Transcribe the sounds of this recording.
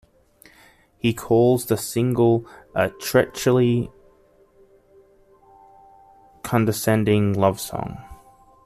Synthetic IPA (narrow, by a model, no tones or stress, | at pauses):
hikʰɔːlˠzðəsɪ̃ŋɡəlˠʔətʰɹ̥ɛt͡ʃəl̩ˠi | kʰɒ̃ndəsɛ̃ndɪ̃ŋlʌv̥sɔ̰̃ŋ